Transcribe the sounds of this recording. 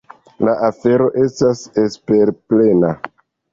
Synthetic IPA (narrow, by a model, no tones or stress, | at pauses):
laʔafe̞ɾo̞ʔe̞stase̞spe̞ɾple̞na